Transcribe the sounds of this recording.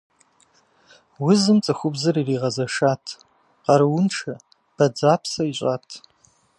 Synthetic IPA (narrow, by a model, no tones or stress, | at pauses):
wʊzɨmt͡sʼɨxʷʊbzɨririːʁɐzɐʂaːtʰ | qɑɾɨwʊnʈ͡ʂʰɐ | b̥ɐd͡zaːpʰsɐiɕʷʼaːtʰ